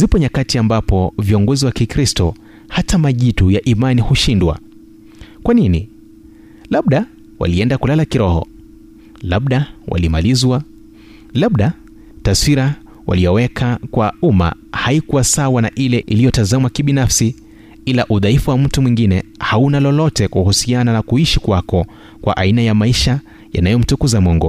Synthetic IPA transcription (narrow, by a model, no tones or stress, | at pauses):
zipɔɲakatiambapɔviɔŋɡɔziwakikɾistɔ | hatamaʄitujaʔimanihuʃindwa̰ | kwanini | laɓɗa | wa̰liɛndakulalakiɾɔhɔ̰ | laɓɗawʔa̰limalizwa | laɓɗa | taswiɾa | wa̰lijɔwɛkʰakwauma̰ | haikuwasawanaʔilɛʔilijɔtazamakiɓinafsi | ilaʔuðaifuwam̩tumwiŋɡinɛhaunalɔlɔtɛkuhusiananakuiʃikwakɔ | kwa̰ʔainajamaiʃa | ja̰najɔm̩tukuzamɔŋɡɔ